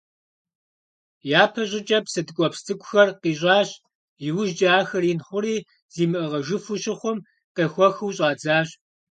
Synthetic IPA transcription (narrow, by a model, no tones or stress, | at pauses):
jaːpʰɐɕʼɪt͡ʃʼɐpsɐdɨkʷʼɔpstʰɨkʷʼʊxɐrqiːɕʼɑːɕ | jɪwʊʒd͡ʒʼaːxɐrinχʷʊɾiː | z̥iːmɨʔɨʁɐʒɨfʊɕɪχʷʊm | qeːxʷɔxɨwɕʼɑːd͡zaːɕ